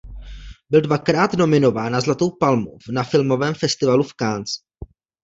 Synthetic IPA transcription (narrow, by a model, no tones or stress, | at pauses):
bɪldvakɾaːt̪no̞mɪno̞vaːnazlat̪o̞wpalmo̰fnafɪlmo̞vɛːmfɛst̪ɪvalufkaːnt͡s